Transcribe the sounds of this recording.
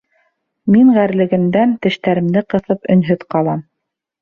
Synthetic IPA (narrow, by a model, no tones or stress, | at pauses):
miɴʁæɾlɘ̆ɡɘ̆md̪ænt̪ɘ̆ʃt̪æɾɘ̆md̪ɘqɤ̆θɤpɵ̆nɦɵðqɑlˠɑm